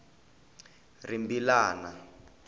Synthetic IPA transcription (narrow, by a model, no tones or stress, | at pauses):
rimbilaːna